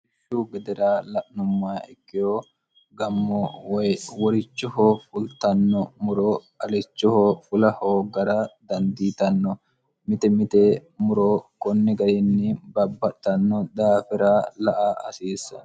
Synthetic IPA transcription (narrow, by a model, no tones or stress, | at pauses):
ɪʃːuːɡɛd̪ɛɾaːlɐʔnʊmːaːɪkːɪjoː | ɡɐmːɔwɔjwɔɾɪt͡ʃːʊhoːfʊlt̪ɐnːɔmʊɾoː | ɐlɪt͡ʃːʊhoːfʊlɐhoːɡɐɾaːd̪ɐnd̪iːt̪ɐnːɔ | mɪt̪ɛmɪt̪eːmʊɾoːkɔnːɪɡɐɾɪnːɪbɐbːɐt̪ːɐnːɔd̪aːfɛɾaːlɐʔaːʔɐsiːsɐ